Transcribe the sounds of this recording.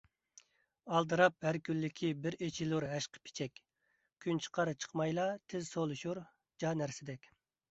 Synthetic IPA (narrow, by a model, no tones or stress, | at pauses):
ɑlˠd̪ɨɾɑp̚hæɾkʲylːɪkʲʰibɪɾet͡ʃʰiluɾɦɛʃqʰə̥pʰɪ̥t͡ʃʰɛkʲ | kʲʰynt͡ʃʰə̥qʰɑɾɨt͡ʃʰə̥qmɑjlˠɑt̪ʰɪzsolˠuʃuɾ | d͡ʒɑːnæɾsɪd̪ɛkʲ